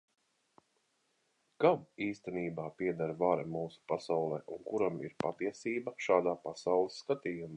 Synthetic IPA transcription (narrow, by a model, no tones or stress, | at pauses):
kamiːst̪ɛniːbaːpiɛd̪aɾvaɾamuːsu̥pasawlˠɛːʔunkuɾamḭɾpat̪iɛsiːbaʃaːd̪aːpasawlˠisːkat̪iːjumaː